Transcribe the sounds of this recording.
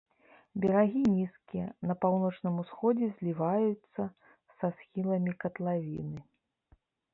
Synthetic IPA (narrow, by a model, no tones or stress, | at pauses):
bʲɛɾaɣʲinʲiskʲijɛnɐpawnɔt͡ʂnɨmusxɔd͡zʲɛzʲlʲivajut̪sːɐ | sasxʲilˠɐmʲikɐt̪lˠavʲḭnɨ